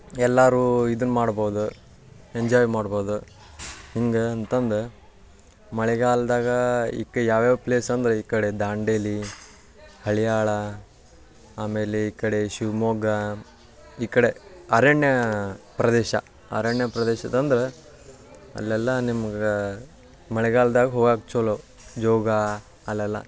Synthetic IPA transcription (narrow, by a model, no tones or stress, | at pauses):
ɛlːaːɾuid̪unːumaːɽboːwd̪u | eɲd͡ʒaːjmaːɽboːd̪u | hiŋɡeɐnt̪ɐnd̪e | mɐɭɛɡaːld̪aːɡɐḭːkːɐjaːʋjaːʋpleːsɐnd̪ɐɾeiːkɐɽe̞d̪aːɳɖeli | hɐɭijaːɭɐ | aːmeːleiːkːɐɽeʃiʋmoːɡɐ | iːkɐɽeɐːɾɐɳjɐpɾɐd̪ɛːʃɐ̰ | ɐ̰ɾɐɳjɐpɾɐd̪ɛːʃɐd̪ɐnd̪ɐɾe | ɐ̰lːɛlːɐnimɐɡe | mɐɭɛɡaːld̪aːɡɐɦoːɡaːk̚t͡ʃoːlo | d͡ʒɔːɡa | ɐlːɛlːɐ̰